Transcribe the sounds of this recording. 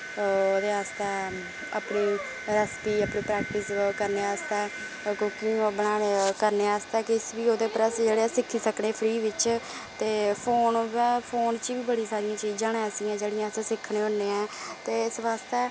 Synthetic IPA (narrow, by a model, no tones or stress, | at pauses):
oːd̪eːaːst̪eː | əpniː | ɾəspiːəpɳiːpɾɛːk̚ʈɪskəɾneːaːst̪eː | kokĩːbənaːkəɾneːaːst̪eːkɪsʋiːoːd̪eːpɾəsd͡ʒeːɽeɛsɪkʰːiːsəkɳeːpʰɾiːʋɪt͡ʃ | t̪eːpʰoːnʋɛːpʰoːnt͡ʃiʋiːbəɽiːsaːɾijãːt͡ʃiːd͡ʒãːnɛ̃ːsĩːãːd͡ʒeːɽijãːəseːsɪkʰːɽeːɦoːneːɛ̃ːt̪eːɪsʋaːst̪eː